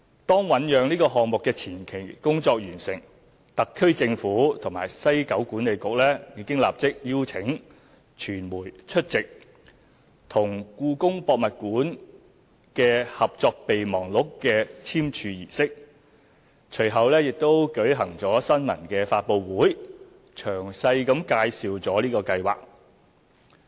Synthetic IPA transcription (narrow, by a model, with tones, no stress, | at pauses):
t̪ɔː˥ŋwɐ˨˥njœː˨˧ŋniː˥kɔː˧ɦɔː˨ŋmʊ˨kːɛː˧t͡sʰiː˨˩nkʰe˨˩jkʊ˥ŋt͡sɔː˧k̚jyː˨˩nsɪ̰˨˩ŋ | t̪ɐ˨kʰːɵ˥ɥt͡sɪ˧ŋfuː˨˥t̪ʰʊ˨˩ŋmaː˨˩jsɐ˥jkɐ˨˥wkuː˨˥ne˨˧jkʊ˨k̚lɛː˥jiː˨˧˥kɪ˥ŋla̰ː˨p̚t͡sɪ˥k̚jiː˥wt͡sʰɪ˨˥ŋ | t͡ʃʰyː˨˩nmuː˨˩jt͡ʃʰɵ˥t̚t͡sɪ˨k̚ | t̪ʰʊ˨˩ŋkuː˧kʊ˥ŋpɔː˧k̚mɐ˨t̚kuː˨˥n | kɛː˧hɐ˨p̚t͡sɔː˧k̚pe˨jmɔː˨˩ŋlʊ˨˥kːɛː˧t͡sʰiː˥mt͡ʃʰyː˧jiː˨˩sɪ˥k̚ | t͡ʃʰɵ˨˩ɥɦɐ˨wlɛː˥jɪ˨k̚t̪o˥wkɵ˨˥ɥɦɐ˨˩ŋt͡sɔː˨˥sɐ˥nmɐ̰˨˩nkɛː˧faː˧t̚po˨˧wwuː˨˥j | t͡ʃʰœː˨˩ŋsɐ˧jkɐ˨˥mkaː˧jsiː˨wt͡sɔː˨˥liː˥kɔː˧kɐ˧jwa̰ː˨k̚